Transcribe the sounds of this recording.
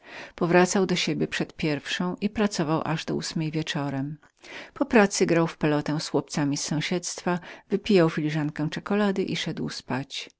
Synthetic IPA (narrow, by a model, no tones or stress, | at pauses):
pɔvɾat̪sawd̪ɔɕebʲjɛpʂɛt̪pʲjɛɾfʂɔ̃w̃ʔipɾat̪sɔvawʔaʐd̪ɔusmɛjvʲjɛt͡ʂɔɾɛm | pɔpɾat̪sɘɡɾawfpɛlɔt̪ɛ̃swɔp̚t̪samʲisːɔ̃w̃ɕɛt̪st̪favɘpʲijawfʲilʲiʐaŋkɛ̃w̃t͡ʂɛkɔlad̪ɘʔiʂɛd̪wspat͡ɕ